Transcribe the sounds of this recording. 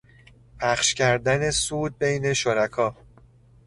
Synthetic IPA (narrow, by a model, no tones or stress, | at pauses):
pʰæχʃcʰæɾd̪æne̞suːd̪̚be̞jne̞ʃoɾækʰɒː